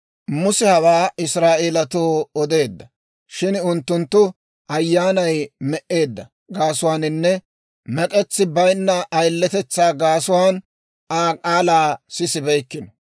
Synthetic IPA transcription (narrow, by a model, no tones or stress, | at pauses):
mʊsɛhɐwaːɪsɾaːʔeːlɐt̪oːɔd̪e̞ːd̪ːɐ | ʃɪnʊnt̪ːʊnt̪ːʊ | ʔɐjːaːnɐjmɛʔe̞ːd̪ːɐ | ɡaːsʊwaːnɪnːɛ | mɛkʼɛt͡sːɪbɐjnːɐʔːjlːɛt̪ɛt͡sːaːɡaːsʊwaːn | aːkʼaːlaːsɪsɪbɛjkːɪnɔ